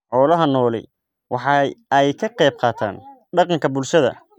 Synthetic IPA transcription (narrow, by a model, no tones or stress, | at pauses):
ħɔːlɐɦɐnɔːlɛ̰j | wɑħɑɛjkʰɐqɛjb̚qɑːt̪ʰa̰ːn | ɖɑqɑŋkʰɐbʊlʃɐðɐ̰